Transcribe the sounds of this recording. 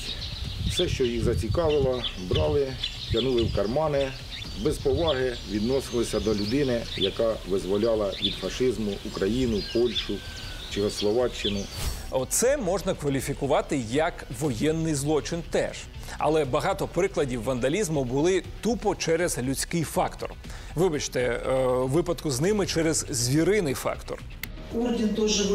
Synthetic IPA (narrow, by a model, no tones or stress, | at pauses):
wsɛʃt͡ʃɔjiɣzɐt͡sʲikɑʋɪlˠɔbɾɑlˠɪ | tʲjʲɐnulˠɪwkɐrmɑnɪ | bɛspɔʋɑɦɪʋʲid̪nɔsɪlˠɪsʲɐd̪ɔlʲʊd̪ɪnɪjɐkɑʋɪzʋɔlʲɑlˠɐʋʲid̪fɐʃɪzmʊʔukɾɐjinʊpɔlʲʃʊ | t͡ʃɪxɔslˠɔʋɑt͡ʃːɪnʊɔt̪sɛmɔʒnɐkʋɐlʲifʲikʊʋɑt̪ɪjɐkʋɔjɛnːɪjzlˠɔt͡ʃɪnt̪ɛ̰ʒ̥ | ɐ̰lˠɛbɐɦɑt̪ɔpɾɪklˠɐdʲiwːɐnd̪ɐlʲizmʊbʊlˠɪt̪upɔt͡ʃɛɾɛzlʲʉt͡sʲkɪjfɑkt̪ɔ̰r | ʋɪbɐt͡ʃt̪ɛʋɪpɐd̪kʊznɪmɪt͡ʃɛɾɛzzʲʋʲiɾɪnɪjfɑ̰kt̪ɔ̰r | udʲint̪ɔʒɛ